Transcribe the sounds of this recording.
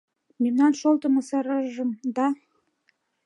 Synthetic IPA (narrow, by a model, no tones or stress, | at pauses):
memnɑnʃolˠt̪ə̆mɤsɑɾɑʒə̆md̪ɑ